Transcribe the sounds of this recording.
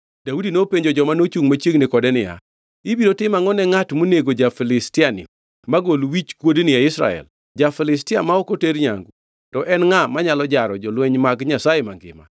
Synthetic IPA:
d̥audinopeɲd͡ʒod͡ʒɔmanot͡ʃuŋmat͡ʃjeɡnɪkɔdɛnɪja̰ | ɪbiɾotɪmaŋɔnɛŋatmoneɡod͡ʒafilɪstɪanɪ̰ | maɡolwit͡ʃkwodnɪjaɪsɾa̰ɛ̰l | d͡ʒafɛlɪstɪamaɔkoteɾɲa̰ŋɡu | tɔʔɛnŋamaɲalɔd͡ʒaɾɔd͡ʒɔlwɛɲmaɡɲasajemaŋɡɪ̰ma̰

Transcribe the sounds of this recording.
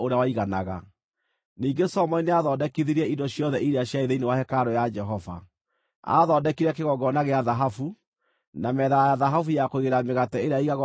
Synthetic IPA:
oɾeawaiɣanaɣa̰ | niːŋɡesɔmɔineaðɔːdɛkiðiɾɛidɔɕjɔðɛʔiɾeaɕjaeðeinewahɛkaɾɔjad͡ʒɛɦɔva̰ | a̰ðɔdɛkiɾɛkeɣɔɡɔnaɣeaðaɦafu | namɛːðajajaðaɦafujakoiɣeɾameɣatɛeɾeaiɣaɣɔ

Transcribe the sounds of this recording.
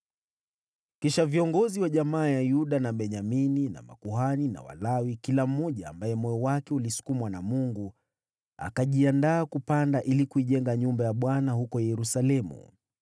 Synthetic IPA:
kiʃaviɔŋɡɔziwaʄamaːjajuɗanaɓɛɲaminina̰ma̰kuɦanina̰wa̰lawikilam̩ːɔʄa̰ːmbajɛmɔjɔwakɛulisu̥kumwanamuŋɡu | a̰kaʄiandaːkupandaʔilikuiʄɛŋɡaɲumbajaɓwanahukɔjɛɾusalɛmṵ

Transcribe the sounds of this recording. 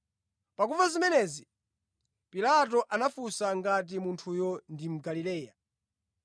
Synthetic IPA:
pak̬uvazimɛnɛzi | pilat̬ɔʔanafusaŋɡat̬imuntʰujɔndim̩ɡalilɛːja

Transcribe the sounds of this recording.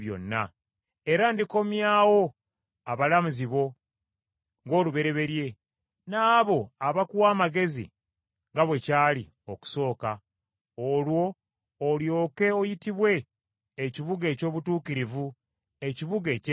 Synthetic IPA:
jo̞̰nːa̰ | eɾandiko̞mjaːwo̞ | aβalamuziβo̞ | ŋɡo̞ːluβe̞ɾe̞βe̞ɾje̞ | naːβo̞aβakuwaːmaɡe̞zḭ | ŋɡaβwe̞caːlḭ | o̞ku̥so̞ːka | olwo̞ː | ljo̞ːke̞ojitiβwe̞ː | ciβuɡe̞ːco̞ːβutuːkiɾivu | e̞ciβuɡe̞

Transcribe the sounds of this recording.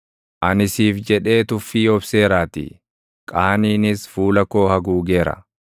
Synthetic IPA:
ʔɐnɪsiːfd͡ʒɛᶑe̞ːt̪ʊfːiːɔbse̞ːɾaːt̪ḭ | kʼaːniːnɪsfuːlɐko̞ːhɐɡuːɡe̞ːɾɐ̰

